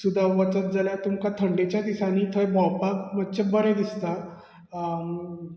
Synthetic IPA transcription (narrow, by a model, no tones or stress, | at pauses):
sud̪ʱaʋət͡sət̪̚d͡zaljat̪umkat̪ʰəɳɖet͡ɕjad̪isaniːt̪ʰəebɔwpakmətt͡ɕebəɾẽd̪ist̪a